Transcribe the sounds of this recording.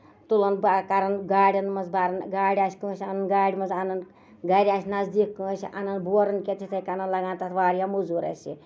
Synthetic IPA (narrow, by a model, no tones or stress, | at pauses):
t̪ulɐnbakɐɾɐnɡaːɽʲɐnmɐzbaɾɐnɡaːɽʲaːsʲkɨɐsʲɐnɐnɡaːɽʲimɐnzɐnɐn | ɡɐɾʲaːsʲnazd̪ikːɨɐsḭʔɐnɐnboɾɐnkʲet̪ʰit̪ʰɐjkɐnɐnlɐɡãːnt̪at̪ʰʋaːɾjamuzuɾɐ̰sʲḭ